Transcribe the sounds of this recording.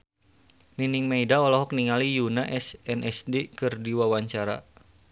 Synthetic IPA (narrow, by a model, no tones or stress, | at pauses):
niniŋmaidaɔlɔɦɔk̚niŋalijunaʔɛsɛnɛsdekɨrdiwawaɲt͡ʃaɾa̰